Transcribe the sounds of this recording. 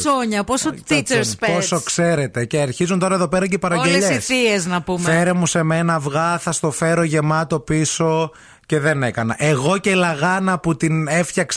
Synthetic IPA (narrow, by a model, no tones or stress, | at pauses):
soɲɐposot̪it͡seɾspposokse̞ɾe̞t̪e̞ceɐɾçizunt̪oɾɐeðo̞pe̞ɾɐceipɐɾɐɲɟeleʎseisieznɐpumfeeɾemuse̞me̞nɐvɣɐθɐst̪o̞feɾoʝe̞mɐt̪o̞piso̞ | ce̞ðe̞ne̞kɐnɐʔe̞ɣo̞ce̞lɐɣɐnɐput̪inefçɐks